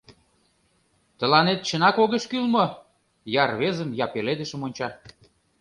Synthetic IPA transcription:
t̪əlɑnet̪̚t͡ɕə̆nɑkoɣəʃkylmɤ | jɑrβezənjɑpeled̪ə̆ʃə̆monʲt͡ɕɑ

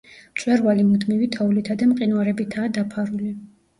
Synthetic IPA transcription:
mt͡ʃʼwɛɾvalimud̪mivit̪ʰɔulit̪ʰad̪amqʼinwaɾɛbit̪ʰaːd̪apʰaɾuli

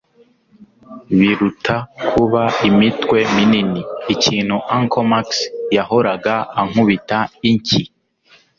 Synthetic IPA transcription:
βiɾutʰakʰuβaimitwe̞mininiːciːn̥huʔaŋkʰomaksjaho̞ɾaɡaaŋ̥uβitaiɲci

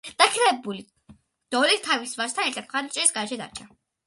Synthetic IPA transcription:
d̪̥akʰɾɛbuli | d̪̥ɔlit̪ʰavisvast̪ʰanɛɾt̪ʰat̪mχaɾd̪at͡ʃʼɛɾisɡaɛʃɛd̪a̰ɾt͡ʃʰa

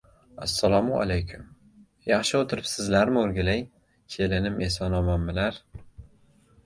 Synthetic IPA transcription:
asːalɒmua̰lejkʲʰʊm | jɑχʃɪot̪ʰɪɾɪpsɪzlaɾmɪoɾɡʲalaj | kʲʰelɪnɪmʔesɒnɒmamːɪlaɾ

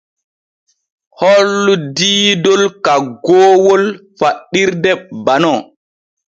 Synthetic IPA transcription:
hɔlːudiːdɔlkaɡɔːwɔlfaɗːiɾdɛɓbanɔ

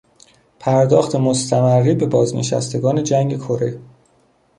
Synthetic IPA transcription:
pʰæɾd̪ɒːxt̪ʰe̞mo̞st̪ʰæmærːiːbe̞bɒːzne̞̰ʃæ̰st̪ʰe̞ɡɒːne̞d͡ʒæŋɡe̞kʰo̞ɾe̞

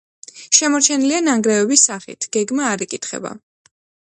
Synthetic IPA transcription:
ʃɛmɔɾt͡ʃʰɛnilianaŋɡɾɛɛbisːaχḭt̪ʰɡ̥ɛɡmaːɾikʼit̪ʰχɛ̰ba̰

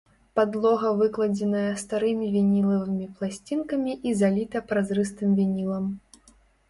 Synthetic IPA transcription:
pad̪lˠɔɣɐvɨklˠɐd͡zʲɛnɐjɐst̪aɾɨmʲivʲɛnʲilˠɐvɨmʲiplˠasʲt͡sʲinkɐmʲiʔizalʲit̪ɐpɾazɾɨst̪ɨmvʲɛnʲilˠɐm

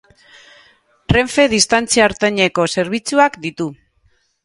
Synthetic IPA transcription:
tre̞ɱfe̞ðist̪ant͡siaːɾt̪eɲe̞ko̞se̞ɾβ̞it͡suakd̪it̪u

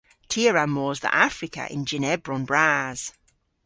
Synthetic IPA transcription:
tʰiəɹamɔːzðḭʔafɹɪkə̰ʔɪ̰̃nd͡ʒɪnɛbɹɔ̃nbɹaz̥

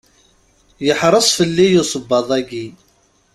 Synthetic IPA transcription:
jəħɾˤəsˤfəlːijʊsˤəbːɑðˤæɡi

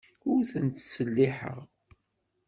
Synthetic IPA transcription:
ʊɾθənt̪səlːiħə̰ʁ

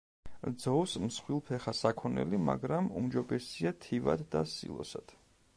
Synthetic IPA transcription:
d̪zɔvsmsχwilˠpʰɛχasakʰɔnɛ̰lima̰ɡɾamṵmd͡ʒɔbɛsiat̪ʰiva̰d̪d̪asḭlˠɔ̰sad̪̥

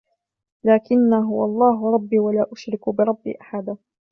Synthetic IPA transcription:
laːkɪnːaɦʊwaʔɑlˤːɑːɦʊɾˤɑbːiːwalaːʔʊʃɾɪkʊbɪɾˤɑbːḭːʔaħad̪a

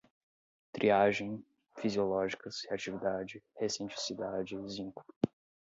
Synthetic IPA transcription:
t̪ɾiaʒẽj̃ | fiziolɔʒikɐsheat͡ʃivid̪ad͡ʒɪhesĩnt͡ʃisid̪ad͡ʒɪzĩŋku̥

